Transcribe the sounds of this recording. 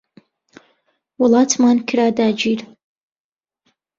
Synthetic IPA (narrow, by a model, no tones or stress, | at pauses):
wɔlatʰmankʰʲɾadaːd͡ʒir